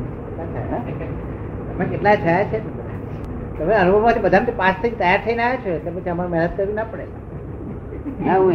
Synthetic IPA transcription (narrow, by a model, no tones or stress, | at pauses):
kelat̪ʰa̰eɦa | t̪əmekeʈlad͡ʒʰat͡ʃʰet̪əd̪ʱa̰ | t̪əmeənubʱəʋmat̪ʰibəd̪ʱamt̪ipast̪ʰid͡ʒt̪əjaɾt̪ʰəinaʋet͡ʃʰok̪epət͡ʃʰiəmaɾomɛnət̪̚kəɾʋinapəɽea | naũ